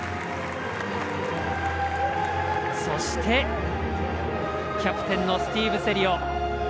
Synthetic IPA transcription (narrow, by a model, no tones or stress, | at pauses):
so̞ɕi̥t̪ʰe̞ | kʲapɯ̟̥t̪ẽ̞nːo̞sɨ̥t̪ʲiːbɯ̟se̞ɾʲio